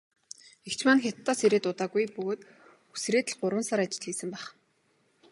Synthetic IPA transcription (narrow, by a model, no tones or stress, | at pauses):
ekt͡ɕʰmaːnxʲat̪ʰːɔːseɾeːt̪ʊt̪aːɣujpɵɣoːt̪ | u̥sreːt̪ɘ̆ɮɢʊɾwə̆nsaɾat͡ɕɪ̆ɮɮiːsɘ̆mpæːχ